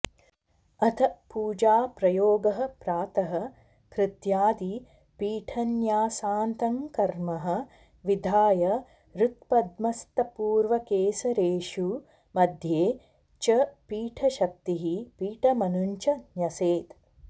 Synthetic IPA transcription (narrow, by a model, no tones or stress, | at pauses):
ɐt̪ʰɐpuːd͡ʒaːpɾɐjoːɡɐɦɐ̆pɾaːt̪ɐɦɐ̆ | kɾɪt̪jaːd̪i | piːʈʰɐnjaːsaːnt̪ɐmkɐɾmɐɦɐ̆ | ʋid̪ʱaːjɐ | ɾuk̚pɐd̪mɐst̪ɐpuːɾʋɐkeːsɐɾeːʃu | mɐd̪ʱjeː | t͡ʃɐpiːʈʰɐʃɐk̚t̪iɦipiːʈɐmɐnuɲt͡ʃɐnjɐseːt̪